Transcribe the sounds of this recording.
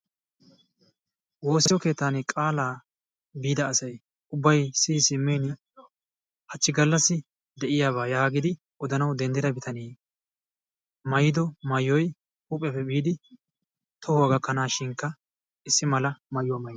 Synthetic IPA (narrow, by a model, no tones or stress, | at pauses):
wo̞ːsɛjɔke̞ːt̪ːaːnɪkʼaːlaː | biːd̪ɐːsɐj | ʊbːɐjsɪsɪmːeːn | hɐt͡ʃːɪɡɐlːɐsːɪ | d̪ɛʔɪjaːβaːjaːɡɪd̪ɪ | ɔd̪ɐnɐwd̪ɛnd̪ɛɾɐbɪt̪ʰɐniː | mɐjɪd̪ɔmɐjːɔj | ʊpʼːɛpːɛbiːd̪ɪ | t̪ʰɔhʊwɐɡɐkːɐnaːʃɪŋkːɐ | ɪsːɪmɐlɐmɐjʊwmɐj